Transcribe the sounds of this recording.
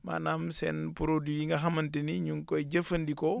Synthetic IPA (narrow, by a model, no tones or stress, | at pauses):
ma̰ːnamsḛnpuɾodijiŋɡaɦamɐntiniɲuŋkoiɟɐfɐndiko